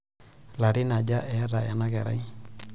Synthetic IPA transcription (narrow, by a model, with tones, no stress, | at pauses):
la˨ɾɪ˦na˨d͡ʒa˦ʔɛ˨˦ɾa˨ja˨na˦kɛ˨ɾa̰˦i˦